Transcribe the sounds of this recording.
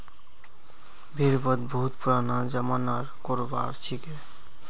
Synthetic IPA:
bʱiɾbɔd̪bʱut̪puɾanad͡ʑamanaɾkoɾba̰ɾt͡ɕʰike

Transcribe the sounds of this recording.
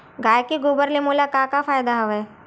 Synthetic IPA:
ɡaːjkiɡoːbəɾlemolakaːkafʰaːjd̪aɦɐʋɛː

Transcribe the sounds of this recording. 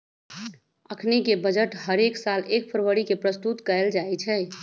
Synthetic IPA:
əkʰnekebəd͡ʒəʈɦəɾeksalek̚pʰəɾʋəɾikepɾəst̪ut̪kəeld͡ʒaet͡ʃʰɛ

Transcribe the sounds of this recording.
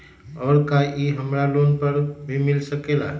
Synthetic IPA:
ɔːɾkaʔiɦəmɾalonpəɾbʱimilsəkela̰

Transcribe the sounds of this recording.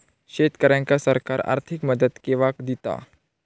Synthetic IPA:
ʃeːt̪kəɾãŋkasɐɾkaːɾa̰ːɾt̪ʰɪkməd̪ət̪keʋaːkd̪it̪a̰

